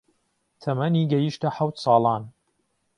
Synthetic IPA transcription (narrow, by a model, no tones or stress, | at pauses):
t̪ʰɐmɐniɡɐjiʃt̪ɐħawt̪sˤɑːlˠɑːn